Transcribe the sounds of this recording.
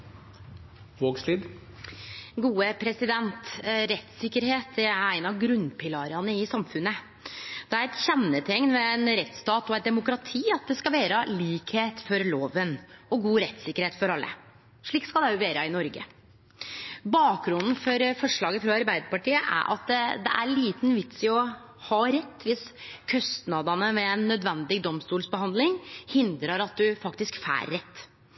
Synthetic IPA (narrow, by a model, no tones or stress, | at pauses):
ʋoːɡsliːd̪ | ɡuːəpʰɾɛsɪd̪ɛnt̪ɾɛt̪sɪkːəɾheːt̪̚æɾæɪnɑɡɾʉnpʰɪlɑːɾɑnəɪsɑmfʉnːə | d̪̥ɛæɾɛt̪çɛnːət̪ʰɛŋnʋɛɛnɾɛt̪st̪ɑːt̪ɔɛɪt̪̚d̪ɛmʊkɾɑt̪ʰiːɑt̪̚d̪ɛskɑlʋeːɾəliːkheːt̪fɔɾloːʋənɔɡuːɾɛt̪sɪkːəɾheːt̪fɔɾɑlːə̰ | ʂɭiːk̪skɑd̪ɛʊʋeːɾəɪnɔɾɡə̰ | bɑːkɡɾʊnd̪n̩fɔɾfɔʂɭɑːɡəfɾɑɑɾbæɪd̪əɾpɑʈiːəʔæ̰ɾʔɑ̰t̪d̪d̪ɛ̰ʔæ̰ɭiːt̪n̩ʋɪt̪sɪɔ | hɑɾɛt̪ːʋɪskʰœst̪nɑd̪ɑnəmɛɛnːœd̪ʋɛnd̪ɪɡd̪ɔmst̪uːlsbəhɑnd̪lɪŋhɪnd̪ɾəɾɑt̪̚d̪ʉfɑkt̪ɪskfæ̰ːɾːɛt̪ː